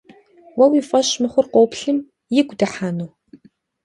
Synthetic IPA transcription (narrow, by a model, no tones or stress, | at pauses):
wɐwiːfʼɐʃmɨχʷʊrqʷoːpɬɨm | jɪɡʷdɐħaːnuː